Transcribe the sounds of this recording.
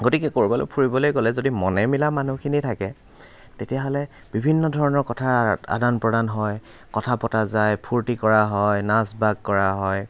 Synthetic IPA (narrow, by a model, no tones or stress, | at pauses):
ɡotikɛkoɹibɔlo̰pʰuɹibɔlojkolɛzodimɔnɛmilamanukʰinitʰakɛ | tetijaɦɔlɛ | b̥ibʱinːɔdʱɔɹɔnɔɹkɔtʰaɹa̰danpɹɔdanɦɔj | kɔtʰapɔtazajpʰuɹtikɔɹaɦɔjnasbaɡ̚kɔɹaɦɔj